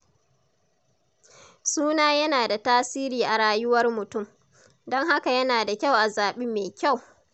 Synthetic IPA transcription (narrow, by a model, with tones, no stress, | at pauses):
suː˦naː˦jɐ˦naː˨da˨taː˦siː˦ɾiː˨ʔa˨ɽaː˦jʊ˦wɐ˦rmʊ˨tʊ˦˨m | dɔ˦ŋɦa˦ka˨jɐ˦naː˨da˨kʲa˦˨wʔa˨zaː˨ɓiː˦meː˨kʲa˦˨w